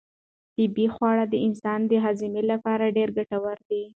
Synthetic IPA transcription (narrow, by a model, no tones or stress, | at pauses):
t̪ɪbixwɑɽad̪əɪnsɑnd̪əɦazɪmelapɑɾaɖeɾɡaʈawaɾd̪i